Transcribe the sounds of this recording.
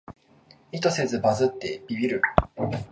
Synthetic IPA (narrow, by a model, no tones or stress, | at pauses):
it̪o̞se̞zɨbazɨt̪ːe̞bʲibʲiɾɯ̟